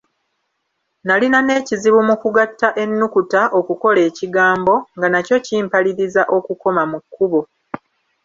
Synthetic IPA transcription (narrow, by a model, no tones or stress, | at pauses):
nalinane̞ːciziβumukuɡatːaʔe̞nːukutaʔo̞kuko̞le̞ːciɡaːmbo̞ŋɡanaco̞ciːmpaliɾizaʔo̞kuko̞mamukʰːuβo̞